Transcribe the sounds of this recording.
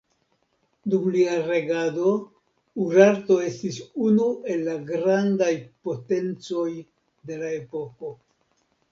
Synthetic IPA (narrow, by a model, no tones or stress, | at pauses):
dumliaɾe̞ɡado̞ | uɾaɾto̞e̞stisunue̞lːaɡɾandajpo̞te̞nt͡so̞j | de̞lae̞po̞ko̞